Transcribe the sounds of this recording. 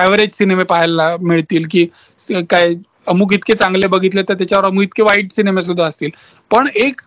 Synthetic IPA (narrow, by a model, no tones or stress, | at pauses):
ɛʋəɾed͡ʑsinemepaɦjlːamiɭt̪iːlk̬iː | kaj | əmuːk̬it̪ket͡sãŋɡlebəɡʱit̪let̪əɾt̪jat͡ɕaʋəɾəmuːit̪̚keʋaiʈsinemes̬ud̪ʱːaəst̪iːl | pəɳek